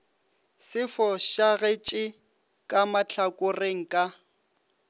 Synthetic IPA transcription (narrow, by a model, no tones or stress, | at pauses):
sɪfɔʃaɣet͡ʃʼɪ | kʼamat͡ɬʰakʼʊreŋ̩kʼa